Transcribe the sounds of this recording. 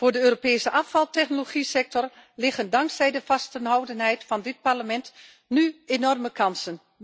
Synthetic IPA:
fʊːɹdəøːropeːsəʔɑfɑlˠtɛχnoloχisɛk̚tɔrlɪχəndɑŋksɛjdəfɑstənɦɔwdənɦɛjtfɑndɪt̚parləmɛnt | nyenɔrməkʰɑnsən

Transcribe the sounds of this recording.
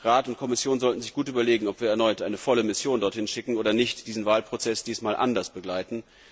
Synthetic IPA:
ʁaːtʊnt̚kʰɔmɪsjoːnzɔltn̩zɪçɡ̥uːtʔyːbɐleːɡŋ̩ɔpv̥iːɐɛɐnɔʏtʔaɪnəfɔləmɪsjoːndɔɐthɪnʃɪkŋ̩ʔoːdɐnɪçtd̥iːzn̩vaːlpʁ̥ot͡sɛsd̥iːsmaːlʔa̰ndɐsb̥əɡlaɪtn̩

